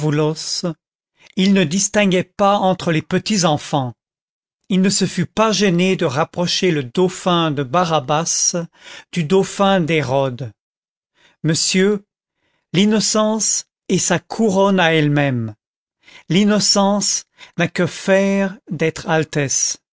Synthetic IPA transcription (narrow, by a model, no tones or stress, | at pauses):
vulɔs | ilnəd̪ist̪ɛ̃ɡɛpaɑ̃t̪χəlepət̪izɑ̃fɑ̃ | ilnəsəfypaʒened̪əʁapχɔʃeləd̪ɔfɛ̃d̪əbaʁabas | d̪̥yd̪ɔfɛ̃d̪eʁɔd̪ | məsjø | linɔsɑ̃s | esakʰuʁɔnaɛlmɛm | linɔsɑ̃snakəfɛʁd̪ɛt̪χalt̪ɛs